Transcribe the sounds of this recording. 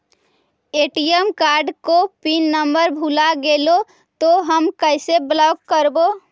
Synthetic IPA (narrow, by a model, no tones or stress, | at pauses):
eʈiəmkaɾɖkopinːəmbəɾbʱulaɡelo | t̪oɦəmkəɪseblɔɡkəɾbo